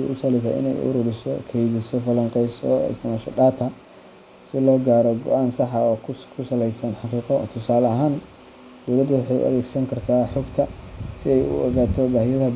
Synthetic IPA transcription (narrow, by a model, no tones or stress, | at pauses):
ʔʊt̪ʰaːlɛs̬a̰ːʔɪ̰nɛ̰jʔʊ̰ɾʊɾɪsɔkʰɛjðɪsɔfɐlɐŋqɛjsɔ̰ɪ̰st̪ʰɪmaːʃɔ̰ɖaːt̪ʰɐ | sɪlɔːɡaːɾɔɡɔʔaːnsɑħɐɔːkʰʊsɐlɛjsɐnħɑqiːqɔt̪ʰʊsaːlɐɦaːn | d̪̥ɔwlɐd̪ʊwɑħɑjʊ̰ʔɐ̰ðɛːɡsɐŋkʰɐrt̪ʰaːħɔɡt̪ʰɐsɪɛjʊ̰ɔːɣaːt̪ʰɔbaːhɪjɐðɐ